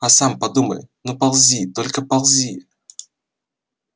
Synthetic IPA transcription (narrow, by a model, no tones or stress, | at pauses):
asampɐd̪umə̰jnopɐlˠzʲit̪olʲkəpɐlˠzʲi